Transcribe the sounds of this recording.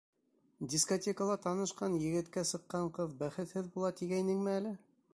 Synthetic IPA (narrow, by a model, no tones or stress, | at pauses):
dʲiskotʲekəlˠɑt̪ɑnɤ̆ʃqɑnjɘ̆ɡɘ̆t̪kæsɤ̆qːɑɴqɤðbæχɘ̆t̪hɘðbulˠɑt̪iɡæjnɘŋmɘælɘ